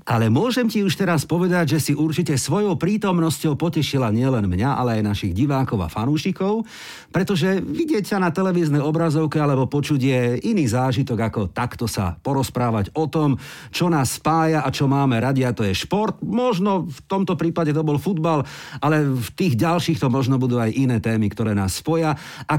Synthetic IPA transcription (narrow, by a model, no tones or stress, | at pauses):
ʔalɛmʊɔʒɛmciuʃt̪ɛɾaspɔʋɛd̪aɟʒɛsiʔuɾt͡ʃicɛsʋɔjɔʊpɾiːt̪ɔmnɔscɔʊpɔcɛʃilaɲɪɛlɛnmɲaʔa̰lɛajnaʃiɣɟiʋaːkɔʊa̰fanuːʃikɔʊ | pɾɛt̪ɔʒɛʋiɟɪɛcsanat̪ɛlɛʋiːznɛjɔbɾazɔʊkɛalɛbɔpɔt͡ʃuɟɪɛiniːzaːʒit̪ɔɡakɔt̪akt̪ɔsa̰pɔɾɔspɾaːʋaɟɔt̪ɔm | t͡ʃɔnaːsːpaːjaʔat͡ʃɔmaːmɛɾaɟiat̪ɔjɛʃpɔɾt̪mɔʒnɔft̪ɔmt̪ɔpɾiːpaɟɛt̪ɔbɔlfud̪bal | ʔalɛft̪iːɣɟalʃiːxt̪ɔmɔʒnɔbud̪uːajʔinɛːt̪ɛːmikt̪ɔɾɛːna̰ːsːpɔja | ʔa